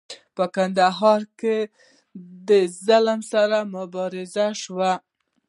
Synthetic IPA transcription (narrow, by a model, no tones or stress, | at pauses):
pəkand̪aɦɑɾke | d̪əzalmsaɾamʊbɑɾɪzaʃwa